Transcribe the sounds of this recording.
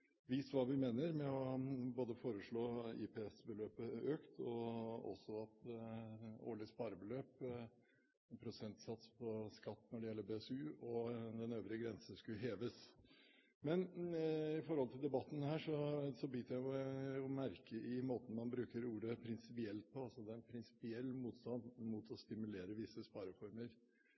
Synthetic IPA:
ʋɪst̪ʋɑːʋɪmeːnəɾmɛɔboːd̪əfoːɾəʂɭoːɪ̰pʰɛɛsbəløːpəøːkt̪ʰɔɔ̰sːɔɑt̪ | o̰ːɭɪəspɑːɾəbəløːp | pʰɾʊsɛnt̪sɑt̪spʰɔskɑt̪ːnɔɖɛjɛlːəbeːɛsʉːɔd̪ɛnøːʋɾɪəɡɾɛnsəskʉɦeːʋəs | mɛn | ɪfɔɾhɔlt̪ʰɪld̪ɛbɑt̪ːn̩hæːʂɔsɔbʏt̪jæɪjʊjʊmæɾkəʔɪmoːt̪n̩mɑnbɾʉːkəɾuːɾəpʰɾɪnsɪpɪɛlt̪̚pʰɔɑlsɔd̪ɛːæɾɛnpʰɾɪnsɪ̥pɪɛlːmuːt̪st̪ɑnd̪mut̪ʰɔst̪ɪmʉleːɾəʋɪsːəspɑːɾəfɔɾməɾ

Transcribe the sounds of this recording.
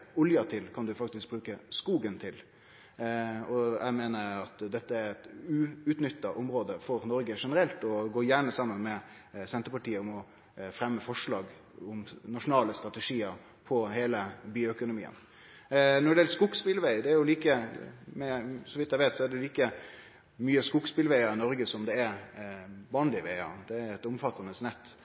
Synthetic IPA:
ʊljɑt̪ʰɪlkʰɑnd̪ʉfɑk̚t̪ɪsk̚bɾʉːkəskuːɡənt̪ʰɪl | ɔjʔæ̰ɪmeːnəɾɑt̪d̪ɛt̪ːəæɾɛt̪ʉʉt̪nʏt̪ːɑʔʊmɾoːd̪əfɔɾnɔɾɡəʂɛnəɾɛlt̪ɔɡoːjæɳəsɑmːənmɛ | sɛnt̪əpɑʈiːəʊmɔ | fɾɛmːəfɔʂɭɑːɡ | ʊmnɑʂʊnɑːləst̪ɾɑt̪ɛʂiːəɾ | pʰɔheːləbyːœkʊnʊmḭːə̰n | nɔɖɛɛlskʊkspɪlʋæɪd̪ɛæɾjʊliːkəmɛsɔʋɪt̪jæɪʋeɪt̪sɔæɖɛliːkə | myːəskʊkspɪlʋæɪəɾɪnɔɾɡəsɔmd̪ɛæɾ | bɑːnlɪʋæɪɑ̰ɾd̪̥ɛɾɛt̪ʊmfɑt̪ːɑnəsnɛt̪ː

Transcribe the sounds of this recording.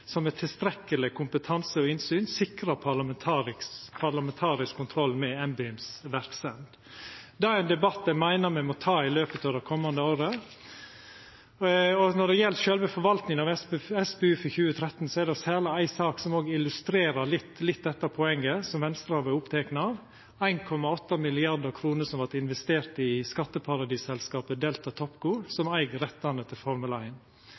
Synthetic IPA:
sɔmːɛt̪ʰɪlst̪ɾɛkːəlɪkʰʊmpət̪ʰɑnsəɔɪnsyːnsɪkɾɑpʰɑlɑmɛt̪ʰɑɾɪpʰɑlɑmɛnt̪ʰɑːɾɪskʰːʊnt̪ʰɾɔlːmɛɛmbɪʉmsʋæɾkst̪ɛnd̪ | d̪ɑæɾæɪnd̪ɛbɑt̪ːd̪æɪmæɪnəɾmæɪmɔt̪ʰɑːɪløːpət̪ɑʋd̪ɛkʰɔmːɑnd̪əoːɾə | ɔnɔɖd̪ɛjɛlʃœlʋəfɔɾʋɑlt̪nɪŋənɑʋɛɛsbɛʉːfəçʉːət̪ʰɾɛt̪ːn̩sɔɛɾd̪ɛɔsæːləæɪsɑːksɔmoːɡəɪlʉst̪ɾeːɾɑlɪt̪lɪt̪̚ːd̪ɛt̪ːɑpʰɔɛŋːəsɔmʋɛnst̪ɾɑɑʋɛʊpt̪ʰeːknɑɑʋ | æɪnkʰɔmɑɔt̪ːɑmɪlɪɑɾd̪əɾkʰɾuːnəsɔmʋɑt̪ɪnʋɛst̪eːɾt̪ɪskɑt̪ːəpʰɑɾɑd̪iːsɛlskɑːpəd̪eːlt̪ɑt̪ʰɔpɡuːɾsɔmæɪɡɾɛt̪ːɑnət̪ʰɪlfɔɾməlæɪn

